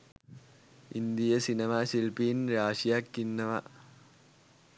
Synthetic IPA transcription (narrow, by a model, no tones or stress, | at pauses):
ʔɪnd̪ɪjɐsɪnɐmaːsilpiːnɾaːʂijaːkːinːɐmaː